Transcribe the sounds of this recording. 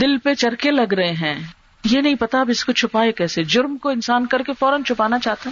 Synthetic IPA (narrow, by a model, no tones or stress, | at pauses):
d̪ɪlpet͡ʃɐɾkelɐɡɾɐɦeɦɛ̃ː | jenɐɦĩpɐt̪aɐbɪskot͡ʃʰʊpaːekɛːsed͡ʒʊɾmkoɪnsaːnkɐɾkefɔːɾənt͡ʃʰʊpaːnat͡ʃaːɦt̪aɦɛ